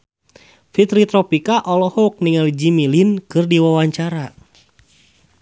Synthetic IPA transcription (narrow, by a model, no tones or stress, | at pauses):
fit̪ɾit̪ɾɔpikaʔɔlɔhɔk̚niŋalid͡ʒimilinkɨrdiwawaɲt͡ʃaɾa